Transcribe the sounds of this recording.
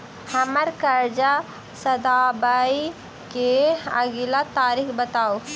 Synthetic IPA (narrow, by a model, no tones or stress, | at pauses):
hɐməɾkɐɾd͡ʒa | sɐd̪aːbai | keɐɡilat̪aːɾixbət̪aːo